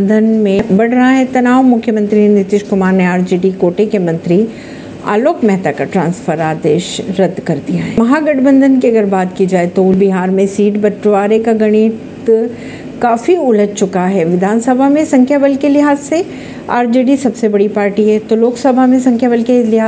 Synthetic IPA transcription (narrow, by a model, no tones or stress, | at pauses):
nd̪ʱənmẽbɐɽɾɐɦaɦɛt̪ɐnaːʋmʊkʰjəmə̃nt̪ɾinɪt̪ɪʃkʊmaːɾneaːɾd͡ʒiːɖikoːʈekemɐ̃nt̪ɾi | a̰ːloːkmɛɦt̪akaʈɾãːnsfʰəɾaːd̪eːʃɾɐd̪kɐɾd̪ijaɦɛːmɐɦaɡɐʈbə̃nd̪ʱənkiɐɡəɾbaːt̪kid͡ʒaːet̪olbɪɦaːɾmẽsiːʈbɐʈɾʋaːɾekaɡɐɽ̃iːt̪ | kaːfiʊləd͡ʒt͡ʃʊkaɦɛːʋɪd̪ʱaːnsɐbʱamẽsɐ̃ŋkʰjaʋɐlkelɪɦaːzse | a̰ːɾd͡ʒiːɖisɐbsebɐɽipaːɾʈiɦɛt̪oloːksɐbʱamẽsɐ̃ŋkʰjaʋəlkelɪɦaː